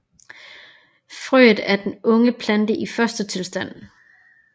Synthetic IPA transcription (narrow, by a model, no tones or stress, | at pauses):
fʁyːð̩ˠæɐd̥enɔ̽ŋəpʰlænd̥əʔifɶɐsd̥ət͡sʰe̝lsd̥æn̰